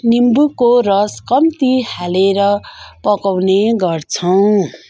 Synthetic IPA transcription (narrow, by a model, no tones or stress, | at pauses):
nimbukorʌskʌmt̪ihaleɾʌpʌkawneɡʌrt͡sʰʌw̃